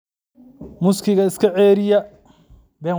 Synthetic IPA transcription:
mʊskʰɪɣɐɪskʰɐʕɛːɾɪjɐ | bɛː

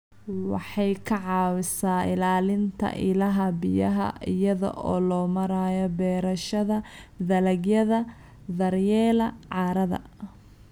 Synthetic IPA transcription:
wɑħɑjkʰɐʕɑːwɪsaːɪlaːlɪnt̪ʰɐ̰ʔɪlɐɦɐbɪjɐɦɐ̰ʔɪjɐðɔ̰ʔɔːlɔːmɐɾaːjɔbɛːɾɐʃɐðɐðɐlɐɡjɐðɐ | ðɐrjɛːlɐʕɑːɾɐðɐ̰

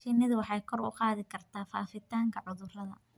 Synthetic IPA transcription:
ʃɪnɪðʊwɑħɑjkʰɔrʊ̰qɑːðɪkʰɐrt̪ʰaːfa̰ːfɪt̪ʰaːŋkʰɐʕʊðʊrɐðɐ̰

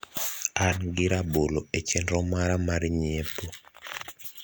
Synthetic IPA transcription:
anɡɪɾaboloet͡ʃɛndɾɔmaɾamaɾɲepo

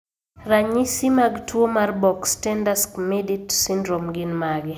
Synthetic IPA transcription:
raɲisimaɡtwomarbɔkstɛndaskmɛditsindɾomɡɪnmaɡɪ

